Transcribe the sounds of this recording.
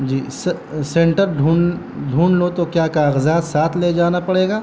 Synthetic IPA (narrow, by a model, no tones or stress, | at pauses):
d͡ʒiːs | sẽɳʈəɾɖʱuːn | ɖʱuːɳlot̪okjaːkaːɣəzaːt̪saːt̪ʰleːd͡ʒaːnapɐɽeːɡaː